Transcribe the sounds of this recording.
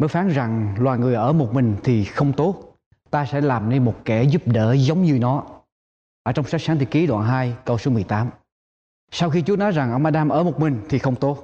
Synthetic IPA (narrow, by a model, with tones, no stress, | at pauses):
məː˨˦jfaː˨˦nza˨˩ŋlwaː˨˩jŋɨ˨˩əjʔəː˧˩mo˨˩t̚mï˨˩ŋ̟t̪ʰi˨˩xə˧wŋ͡mt̪o˦˥t̚ | t̪aː˧sɛ̰˧˥laː˨˩mne˧nmo˨˩t̚kɛ˧˩zu˦˥p̚ɗəː˧˩zə˨˦wŋ͡mɲɨ˧nɔ˨˦ | ʔəː˧˩t͡ɕɔ˧wŋ͡msa˦˥k̚saː˨˦ŋt̪i˨˧˩ki˨˦ɗwa̰ː˧˨˩nɦaː˧jkə˧wso˨˦mɨ˨˩əjt̪aː˨˦m | sa˧wxi˧t͡ɕu˦˥ənɔ˨˦jza˨˩ŋʔə˧wŋ͡mʔaː˧ɗaː˧mʔəː˧˩mo˨˩t̚mï˨˩ŋ̟t̪ʰi˨˩xə˧wŋ͡mt̪o˦˥t̚